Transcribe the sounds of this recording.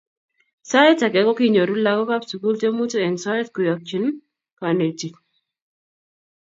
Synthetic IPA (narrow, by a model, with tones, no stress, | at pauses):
sa˦ɪ˦ta˨ɡɛ˨kɔ˦ki˦ɲo˨ɾu˦la˦ɡɔ˦ka˦psu˨ku˦lte˦mu˦tu˦ɛ˨nsɔ˦ɛ˦tku˨jɔ˨k̚t͡ʃi˦n | ka˨ne˨ti˨k